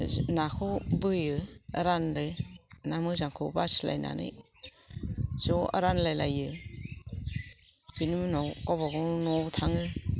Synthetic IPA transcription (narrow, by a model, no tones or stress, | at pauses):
nakʰobɯjɯaɾanɾɯnamɯzaŋkʰɯbasila̰jna̰nɯ̰j | z̥ɔa̰ɾanlajlajɯ | binimɯnɔwkawbaɡɔnɔtʰaŋɯ